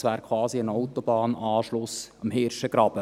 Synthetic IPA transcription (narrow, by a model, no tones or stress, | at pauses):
væːɾkʰvɑːziənaʊtobɑːnɑːʃlʊsɑmɦɛːɾʃəɡ̥ɾɑb̥ə